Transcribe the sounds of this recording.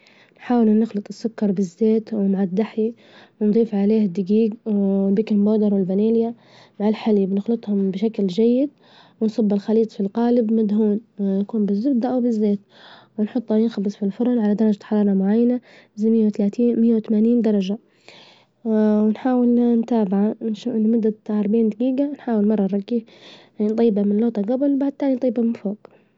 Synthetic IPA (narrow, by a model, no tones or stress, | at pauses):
nħaːwɪlunɪxlɨt̪ˤɨsːʊkːɑɾˤbɪzːeːt̪wmaʕad̪ːaħji | wɪnd̪ˤiːfʕaleːhɪd̪ːɪɡiːɡbiːkɪmboːd̪ɑɾˤwɪlbaneːlja | maʕalħalibnɪxlɨt̪ˤhʊmbɪʃaklʒajːɪd̪̚ | wɪnsˤɑbːɪlxɑliːt̪ˤfilqaːlɪbmad̪ɦuːnnakuːnbɪzːʊbd̪aʔwbɪzːeːt̪̚ | wɪnħʊt̪ˤːɑjɪnxɑbsˤfilfʊɾˤɑlʕalad̪ɑɾˤɑd͡ʒaħɑɾˤɑːɾˤɑmʊʕajːana | ɪzamɪjːawt̪alaːt̪iːmɪjːawt̪amaːniːnd̪ɑɾˤɑd͡ʒa | wɪnħaːwɪlnt̪aːbɪʕanʃuːfʔɪnːmʊd̪ːaʕɑɾˤbaʕiːnd̪aɡiːɡanħaːwɪlmɑrˤːɑnɾˤɑɡːiː | nt̪ˤijːbamɪnloːt̪ˤɑɡabɪlbaʕd̪̚t̪aːnint̪ˤiːbamɪnfoːɡ